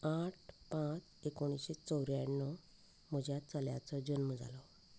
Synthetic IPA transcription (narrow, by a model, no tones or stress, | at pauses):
aʈpãt͡s | ekoɽ̃isɕet͡sɔwɾjanːɔ | m̤əd͡ʑjat͡səljat͡sɔd͡ʑənməd͡za̰lɔ